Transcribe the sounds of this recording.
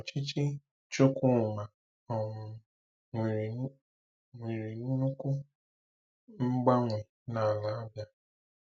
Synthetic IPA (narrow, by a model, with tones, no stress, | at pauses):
ɔ˨t͡ʃi˦t͡ʃi˦ | t͡ʃʊ˦ku˦˨ma˨ | ɔ˨mʊ˨˦ | ŋʷi˨ɾi˨nu˦nu˦ku˦ | ŋ͡m̩˦ɡ͡ba˦ŋʷe˨ | na˨la˨a˦bja˦